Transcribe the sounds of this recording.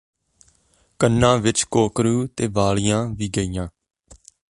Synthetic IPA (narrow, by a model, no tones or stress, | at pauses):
kənːãːʋɪt͡ʃkoːkɾuːt̪eːʋaːɭɪjãːʋiːɡəiːjãː